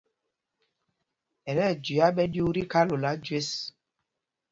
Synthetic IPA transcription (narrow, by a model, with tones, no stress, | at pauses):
ɛ˨ɾɛ˦˨d͡ʒi˨a˦ɓɛ˦ɗju˦ɾi˦ka˦lo˨la˦d͡ʒwe˦s